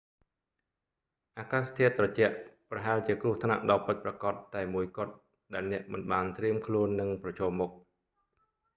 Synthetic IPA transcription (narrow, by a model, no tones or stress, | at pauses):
ʔaːkaːst̪ʰiət̪̚ːrɑt͡ɕɛ̆əʔprɑɦaɛlt͡ɕiəkrʊ̆əht̪ʰna̰ʔɗɑlpɨt̪̚prɑkɑt̪ːaɛmuəjkŏət̪̚ | ɗaɛlnɛ̆əʔmɨnɓaːnt̪riəmkʰluənːɨŋprɑt͡ɕʰɔːmːʊk̚